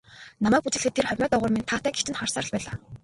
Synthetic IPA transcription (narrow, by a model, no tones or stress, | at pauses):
namæːk̚put͡ɕɘ̆ɮɘ̆t̪ʰːerχœrʲmœːt̪ɔʁʊːrment̪ʰaːt̪æːɡe̥t͡ɕɘ̆nχɔrsaːrə̆ɮpæːɮaː